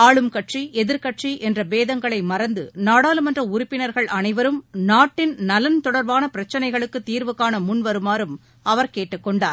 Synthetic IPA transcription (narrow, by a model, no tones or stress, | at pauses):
aːɭɯmkɐʈriʔɛðɪɾkɐʈriʔɛndrɐbeːðɐŋɡɐɭɐɪmɐɾɐnd̪ɯnaːɽaːlɯmɛndrɐʊɾʊpːɪnɐɾɣɐɭɐnɐɪʋɐɾɯmnaːʈːɪnnɐlɐnt̪ɔɽɐɾʋaːnɐpɪɾɐt͡ʃːɐnɐɪɣɐɭɯkːɯt̪ːiːɾʋɯkːaːnɐmʊnʋɐɾɯmaːɾɯm | ɐʋɐɾkeːʈːɯkːɔɳɖaː